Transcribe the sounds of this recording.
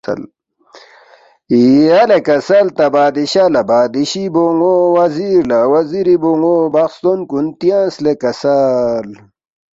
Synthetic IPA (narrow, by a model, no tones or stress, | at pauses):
l | ialekɐsɐlt̪ɐbaːd̪iɕalɐbaːd̪iɕiboŋowɐziɾlawɐziɾiboŋobaxst̪onkunt̪ijãːnslekɐsal